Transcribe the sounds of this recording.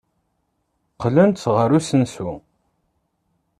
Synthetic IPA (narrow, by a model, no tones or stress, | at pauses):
qlənt̪ʁəɾusənsu